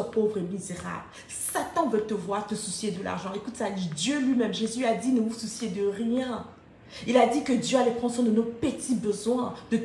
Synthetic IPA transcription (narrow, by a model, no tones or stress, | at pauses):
əpovʁemizeʁa̰bl | sat̪ɑ̃vɛlt̪əvwaʁt̪əsusjed̪əla̰ʁʒɑ̃ekut̪salid̪jølɥimɛmʒezyad̪inəususjed̪əʁjɛ̃ | ilad̪ikəd̪jøalɛpχɑ̃sɔ̃d̪ənopət̪ʰibəzwɛ̃d̪̥ə